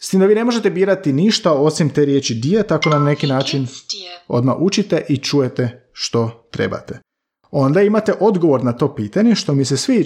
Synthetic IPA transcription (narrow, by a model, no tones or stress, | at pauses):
st̪iːmd̪aʋiːne̞mo̞ʒe̞t̪ebiːɾat̪iniʃt̪ao̞simt̪e̞ɾjet͡ʃid̪iet̪ako̞nanane̞kinaːt͡ʃino̞̰d̪ma̰ʔut͡ʃit̪e̞ʔit͡ʃuje̞t̪e̞ʃt̪o̞t̪ɾe̞̰ba̰t̪e | o̞nd̪aimat̪e̞ʔo̞d̪ɡo̞ʋo̞ɾnat̪o̞ːpiːt̪aɲe̞ʃt̪o̞misesʋi